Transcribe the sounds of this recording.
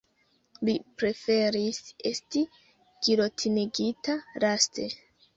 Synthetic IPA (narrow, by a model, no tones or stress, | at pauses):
lipɾe̞fe̞ɾisesti | ɡ̥iɾo̞tʰiniɡitaɾaste̞̰